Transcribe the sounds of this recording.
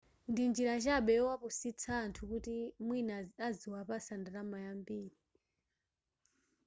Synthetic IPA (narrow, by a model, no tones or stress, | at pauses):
ndind͡ʒiɾat͡ʃaɓɛɔwapusit͡sʰaːntʰukutimwinaaziwapasandaɾamajambiːɾi